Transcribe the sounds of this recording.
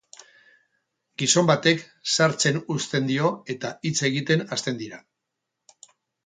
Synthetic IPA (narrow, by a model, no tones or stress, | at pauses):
ɡiso̞mbat̪e̞k | saɾt͡se̞nust̪e̞nd̪io̞e̞t̪ait͡se̞ɣ̞it̪e̞nast̪e̞nd̪iɾa